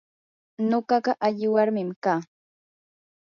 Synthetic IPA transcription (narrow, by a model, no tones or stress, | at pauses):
noɢɑɢɑʔaʎɪwaɾmɪmkaː